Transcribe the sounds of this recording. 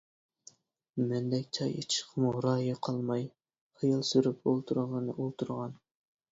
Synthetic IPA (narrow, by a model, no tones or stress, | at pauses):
mɛnd̪ɛkʲt͡ʃʰɑjit͡ʃʰɪ̥ʃqʰəmuɾɑːjiqʰɑlˠmɑj | χijɑlˠsyɾypolˠt̪ʰuɾʁənɨʔolˠt̪ʰuɾʁɑn